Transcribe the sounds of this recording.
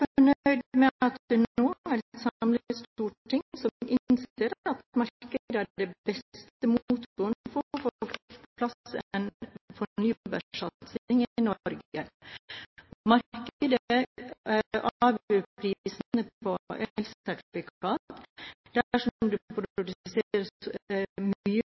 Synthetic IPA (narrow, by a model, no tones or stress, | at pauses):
fɔɳœʏd̪mɛɑt̪d̪̥ɛnoːæɾsɑmləst̪uːʈʰːɪŋsɔmɪnseːɾɑt̪mɑɾkəd̪əæɖɛbɛst̪əmuːt̪t̪uːənfɔfopʰlɑsɛnfɔɳyːbəʂɑt̪sɪŋɪnɔɾɡə | mɑɾkəd̪ə | ʔɑːʋøːpʰɾis̩əpʰɔʔɛlsɛt̪fɪkɑːt̪d̪̥æʂɔmd̪ʉpʰɾʊʊd̪ʉseɾə | myːə